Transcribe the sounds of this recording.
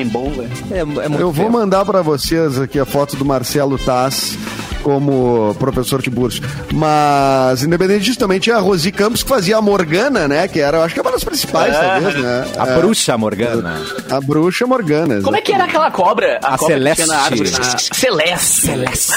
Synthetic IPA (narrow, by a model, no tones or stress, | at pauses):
ẽbõbɐ | ɛɛ̰mũewvomɐ̃nd̪aɾpɾɐvosezakiɐfɔt̪ʊd̪ʊmaɾsɛlʊt̪as | kõmʊpɾofesoɾd͡ʒɪbuɾsʊ | mɐzĩnd̪epẽd̪ẽtt͡ʃɪd͡ʒisʊt̪ɐ̃bẽj̃t͡ʃĩɲ̃ɐʁozikɐ̃mpʊ̥skɪ̥faziɐamoɾɡɐ̃nɐnɛkɪɛɾɐewaʃʊ̥kɛũmɐd̪ʊspɾĩsi̥pajsaezɛa̰ɛbɾuʃɐmo̰ɾɡɐ̃nɐ̰ | abɾuʃɐmoɾɡɐ̃nɐ̰komwɛkɪɛɾɐakɛlɐkɔbɾɐakɔseɾlɛiɐnaaɾɾselɛs | selɛs